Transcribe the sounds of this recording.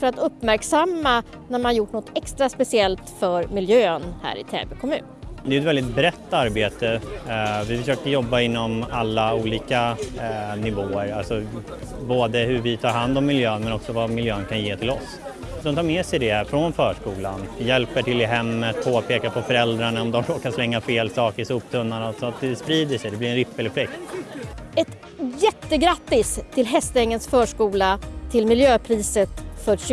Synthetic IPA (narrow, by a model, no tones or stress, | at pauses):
fœɾat̪ɵpːmæɾksamːa | næɾmanaɾjʊʈːnɔt̪ʰːɛkst̪ɾaspɛsɪɛlt̪fœɾmɪljøːnhæ̰ːɾɪ̰t̪ʰḛːbɛkʰɔmʉ̟ːnd̪ɛjʉɛt̪vɛld̪ɪt̪̚bɾɛt̪ːaɾbeːt̪ə | vɪfœʂøːkəɾjɔbːaɪnːɔmalːauːliːka | nɪvoːəɾalsɔ | boːd̪əɦɵɾvɪt̪ʰɑːɾɦand̪ɔmːɪljøːnmɛnɔksɔvamɪljøːnkʰanjeːt̪ʰɪlɔs | d̪ɔmt̪ʰɑːɾmɛːsɛjd̪ɛfɾɔnfœːʂkuːlanjɛlpəʈʰɪlːɪɦɛmːət̪̚pʰoːapʰeːkapʰɔfœɾɛld̪ɾaɳaɔmd̪ɔmɾoːkaslɛŋːafeːlsɑːkəɾsuːpt̪ʰɵnːaɳasɔat̪̚d̪ɛspɾiːd̪əʂɛjd̪ɛblɪɾɛnɾɪpːɛlːəɾflɛkt̪ | ɛt̪ | jɛt̪ːəɡɾat̪ːɪst̪ʰɪlɦɛst̪ɛŋːənsfœːʂkuːlat̪ʰɪlmɪljøːpʰɾiːsət̪fœɾɕ